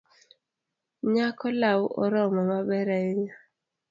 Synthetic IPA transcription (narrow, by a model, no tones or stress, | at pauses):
ɲakɔlawʔɔɾɔmɔmabɛɾaeɲa